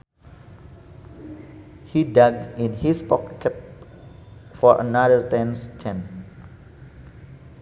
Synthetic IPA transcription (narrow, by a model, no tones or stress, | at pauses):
hidaɡ̚ĩnhispɔkɛt̪̚ | fɔɹʔə̰nadəɹt̪ɛ̃nst͡ʃʰɛ̃n